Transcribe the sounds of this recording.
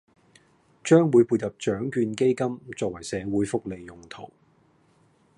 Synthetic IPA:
t͡ʃœː˥ŋwuː˨˧jpuː˧t̚jɐ˨p̚t͡ʃœː˨˥ŋkyː˧nke˥jkɐ˥mt͡sɔː˧k̚wɐ˨˩jsɛː˨˧wuː˨˥jfʊ˥k̚le˨jːʊ˨ŋt̪ʰo˨˩w

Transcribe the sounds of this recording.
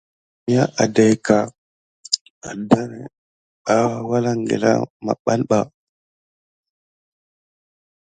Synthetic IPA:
ja˦ʔa˨da˨jka˨ | a˨da˦ɾe˨ | ɓa˦wa˦wa˦la˦ŋɡḛ˨la̰˦ma̰˨ɓa˦nɓa˨

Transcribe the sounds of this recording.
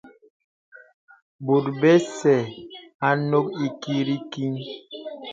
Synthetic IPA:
bu˨t̚bɛ˦sɛ˨a˨no˦ki˦ki˦ɾi˦ki˦n

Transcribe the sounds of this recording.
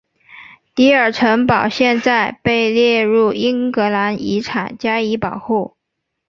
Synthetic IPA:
t̪i˧˥ə˞˨˩ʈ͡ʂʰɤ˧˥ŋpɑ˨˩ʊɕjɛ˥˧nt͡sa˥˧ɪpe˥˧ɪljɛ˥˧ɻu˥˩i˥ŋkɤ˧˥la˧˥ni˧˥ʈ͡ʂʰa̰˨˩nt͡ɕja˥i˧˥pɑ˨˩ʊxu˥˩

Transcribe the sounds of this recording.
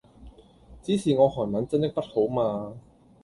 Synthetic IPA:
t͡siː˨˥siː˨ŋɔː˨˧hɔː˨˩jmɐ˨˥nt͡sɐ˥nt̪ɪ˥k̚pɐ˥t̚ho˨˥wmaː˧

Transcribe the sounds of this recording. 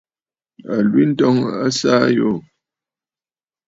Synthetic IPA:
a˨lwi˦n̩˦tɔ˦ŋa˦sa˦jo˦˨

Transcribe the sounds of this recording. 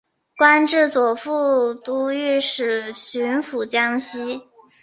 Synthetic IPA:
kwa˥nʈ͡ʂɻ̩˥˩t͡swɔ˨˩fu˥˩t̪u˧˥y˥˩ʂɻ̩˨˩ɕy˧˥nfu˨˩t͡ɕjɑ˥ŋɕi˥

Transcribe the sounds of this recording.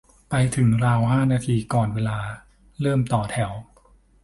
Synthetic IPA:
pa˧jt̪ʰɯ˩˦ŋɾaː˧wɦaː˥˩naː˧t̪ʰiː˧kɔː˨˩nweː˧laː˧ | ɾɤː˥˩mt̪ɔː˨˩t̪ʰɛ˩˦w

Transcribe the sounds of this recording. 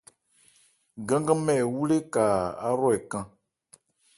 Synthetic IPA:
ɡã˦ŋ˦ɡã˦mɛ˨wu˦le˦ka˨a˦ɾɔ˦ɛ˨kã˦

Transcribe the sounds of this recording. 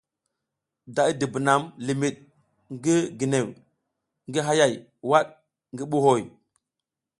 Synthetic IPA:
da˨i˦di˨bi˨na˨mli˨mi˨ɗ̚ | ŋɡi˦ɡi˨ne˨w | ŋɡi˦ɦa˦ja˨j | wa˦ɗ̚ | ŋɡi˦ɓu˦ɦo˦˨j

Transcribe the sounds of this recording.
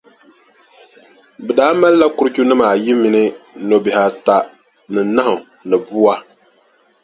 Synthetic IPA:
bɨ˨daː˨˦ma˦lːa˦ku˨˦ɾɨ˦ku˦nɨ˦maː˨ji˦mi˨˦nɨ˦no˨bɪ˨ha˦ta˦ | nɨ˨na˦hʊ˨ | nɨ˨bu˦a˦

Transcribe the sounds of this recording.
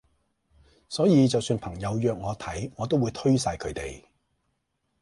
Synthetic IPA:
sɔː˨˥jiː˨˧t͡sɐ˨wsyː˧npʰɐ˨˩ŋjɐ˨˧wjœː˨k̚ŋɔː˨˧t̪ʰɐ˨˥jŋɔː˨˧t̪̬o˥wuː˨˧jt̪ʰɵ˥ɥsaː˧jkʰɵ˨˧˥t̪e˨j

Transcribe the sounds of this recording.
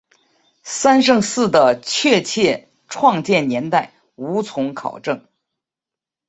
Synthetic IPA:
sa˥nʂ̬ɤ˥˧ŋsɹ̩˥˩d̪ə˩t͡ɕʰɥɛ˥˧t͡ɕʰjɛ˥˧ | ʈ͡ʂʰwɑ˥˧ŋt͡ɕjɛ˥˩nnjɛ˧˥nt̪a˥˩ɪ | u˧˥t͡sʰʊ˧˥ŋkʰɑ̰˨˩ʊʈ͡ʂɤ˥˩ŋ

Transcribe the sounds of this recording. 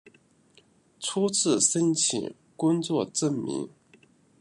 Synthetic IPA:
t͡sʰu˥t͡sʰɹ̩˥˩ʂə˥nt͡ɕʰḭ˨˩ŋ | kʊ˥ŋt͡swɔ˥˧ʈ͡ʂə˥˩nmḭ˧˥ŋ

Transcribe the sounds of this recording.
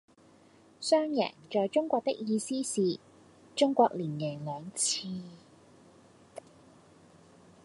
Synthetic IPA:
sœː˥ŋjɛ̰ː˨˩ŋt͡ʃɔː˨jt͡ʃʊ˥ŋkʷɔː˧k̚t̪ɪ̰˥k̚jiː˨˧siː˥siː˨ | t͡ʃʊ˥ŋkʷɔː˧k̚liː˨˩njɛː˨˩ŋlœː˨˧ŋt͡sʰiː˧

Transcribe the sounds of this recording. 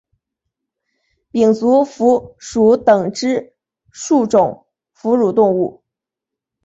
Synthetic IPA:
pi˨˩ŋt͡su˧˥fu˧˥ʂu˨˥t̪ɤ˨˩ŋʈ͡ʂɻ̩˥ | ʂu˥˩ʈ͡ʂʊ˨˩˦ŋ | fu˧˥ɻu˨˩t̪ʊ˥˧ŋu˥˩

